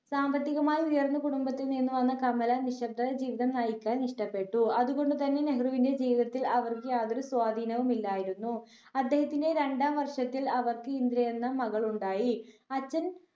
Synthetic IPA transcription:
saːmbɐt̪ːiɣɐmaːjiujɐrnːɐkuɽumbɐt̪ːilninːuʋɐnːɐkɐmɐlɐniʂɐb̚d̪ʱɐɐd͡ʑiːʋiðɐmnaːjikʲːaːlniʂʈɐpːe̞ʈːuɐðuɣo̞ɳɖɨt̪ɐnːe̞ne̞ɦruʋinde̞d͡ʑiːʋiðɐt̪ːilɐʋɐrkɨjaːd̪oɾuswaːd̪ʱiːnɐʋumilːaːjiɾunːu | ɐd̪ːe̞ːɦɐt̪ːinde̞ɾe̞ɳɖaːmʋɐrʂɐt̪ːilɐʋɐrkɨind̪ɾɐjenːɐmɐɣɐɭuɳɖaːji | ɐt͡ɕːɐn

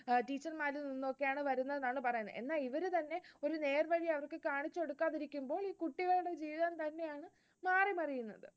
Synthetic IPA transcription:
ʈiːt͡ɕːɐrmaːlulninːoːkːejaːɳɨʋɐɾunːɐðnaːɳɨpɐrɐjunːɨ̰e̞̰nːaːliʋɐɾut̪ɐnːe̞o̞ɾune̞ːrʋɐɻiɐʋɐrkɨkaːɳit͡ɕːo̞ɽukːaːðiɾikʲːumbo̞ːɭiːkuʈːiɣɐɾuɽe̞d͡ʑiːʋiðɐnt̪ɐnːe̞jaːɳɨ | maːrimɐrijunːɐðɨ

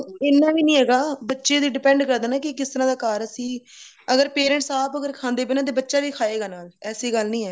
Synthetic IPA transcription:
ɪnːãːbiːnĩːɦɛːɡaːbətːʃeːd̪iːɖɪpɛ̃ːɳɖkəɾd̪ənaːkɪkɪst̪əɾãːd̪aːkaːɾəsĩː | əɡəɾpeːɾɛ̃ːɳʈsaːpəɡəɾkʰãːnd̪eːpenãːt̪̬eːbətːʃaːbiːkʰaːeːɡaːnaːlɛːsiːɡəlnĩːɛː

